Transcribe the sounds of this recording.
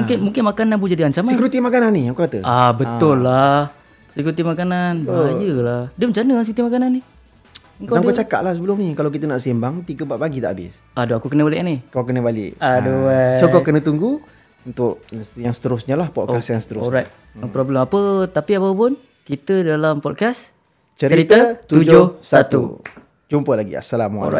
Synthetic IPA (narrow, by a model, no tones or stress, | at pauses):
muŋkɪnmuŋkɪnmakananp̬ud͡ʒadiaɲt͡ʃamakɾut̪imakananːiaŋkukat̪əabət̪ʊlːah | sikut̪imakananad͡ʒəlahdiəməɲt͡ʃanəs̬ikut̪imakananːi | əŋkaaŋkat͡ʃaka̰ʔ̪̚lahsəbəlʊmnikalawkit̪ənaʔsimbaŋt̪iɡəbaʔbaɡit̪a̰ʔabɪ̰s | adoakukənəbalɪʔnikawkənəbalɪ̰ʔaduasokawkənət̪uŋɡu | unt̪ʊʔ̚jaŋsə̥t̪əɾʊsɲalahpɔt̚kasjaŋsə̥t̪əɾʊɔɾajt̪̚ | pɾobləmapət̪apiapəp̬ʊn | kit̪ədalampɔt̚kas | t͡ʃəɾəiɾit̪ət̪ud͡ʒʊsat̪ṵ | d͡ʒumpəlaɡḭa̰salamuɔ̰a̰